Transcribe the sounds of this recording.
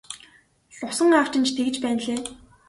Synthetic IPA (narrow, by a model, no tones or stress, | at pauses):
sʊsə̆ŋaːw̥t͡ɕɪ̆nt͡ɕʰt̪ʰeɣɘ̆t͡ɕpæːnɮeː